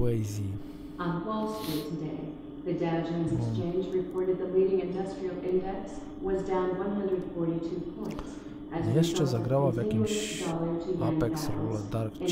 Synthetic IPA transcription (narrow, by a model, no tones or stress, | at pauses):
ɛzi | ə̃nkwaɪlˠsitʰɨdeɪ | ðɨdɛd͡ʒɨ̃nzɨkst͡ʃẽɪ̃nd͡ʒɹɨpʰɔɹɾɨd̪̚ðəliɾɪ̃ŋɨ̃ndʌstɹ̥il̩ˠʔɪ̃ndɛks | wʌzdãʊ̃nwʌ̃nɦʌ̃ndɹɨd̥fɔɹɾitʰʉpʰɔ̃ɪ̃nts | ʔɨzjɛʃt͡ʃɛzaɡɾaʋavɛ̃ɡialˠətʰɨãpɛksɾulɛd̪aɾk